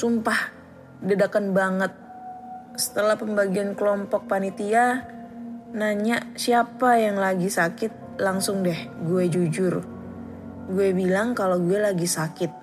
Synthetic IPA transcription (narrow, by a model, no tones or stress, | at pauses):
sumpah | dədakanbaŋət̪̚ | sə̥t̪əlahpəmbaɡiankəlɔmpɔk̚panit̪ia | naɲaʔsiapajaŋlaɡisakɪt̪̚laŋsʊŋdɛhɡuɛd͡ʒud͡ʒʊr | ɡuɛbilaŋkaloɡuɛlaɡisakɪt̪̚